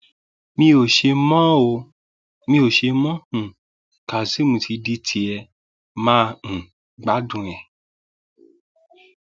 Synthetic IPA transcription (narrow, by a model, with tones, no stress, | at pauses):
mĩ˧o˨ʃe˧mɔ̃˦o˧ | mĩ˧o˨ʃe˧mɔ̃˦hũ˨ | ka˨si˨˦mũ˧tʰi˧di˧tʰi˧ɛ˧ | mãː˦˧ũ˨ | ɡ͡ba˨˦dũ˦˧˨ɛ̃˨